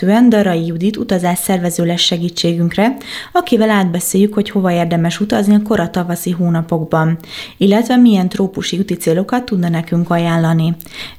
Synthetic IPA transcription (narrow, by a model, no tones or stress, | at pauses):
øːɛnd̪ɒɾɒijud̪it̪ut̪ɒzaːʃsɛrvɛzøːlɛʃːɛɡiːt͡ʃːeːɡyŋkrɛɒkivɛlaːd̪bɛseːjykho̞cho̞vɒeːrd̪ɛmɛʃut̪ɒzniɒko̞ɾɒt̪ɒvɒsiɦoːnɒpo̞ɡbɒnilːɛt̪ʋɛmijɛnt̪roːpuʃiut̪it̪seːlo̞kɒt̪ːud̪nɒnɛkyŋkɒjaːnlɒni